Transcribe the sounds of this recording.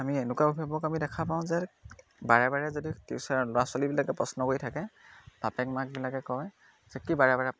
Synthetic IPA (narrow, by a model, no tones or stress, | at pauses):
amienʊkaobʱiabɔkamidɛkʰapaʊ̃zɛ | baɹɛbaɹɛzoditiʊsalɔɹaswalibilakɛpɹɔsnɔkoɹitʰakɛ | b̥apɛkmak̚bilakɛkɔj | z̥ɛkibaɹɛbaɹɛ